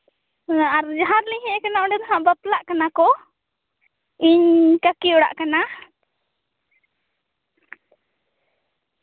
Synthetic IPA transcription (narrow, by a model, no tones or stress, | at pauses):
aɾd͡ʒaɦãɾliɦɛ̃ʔkanaɔɖɛd̪ɔɦãʔbəplaʔkanakɔ | iɲkakiɔɽa̰ʔkana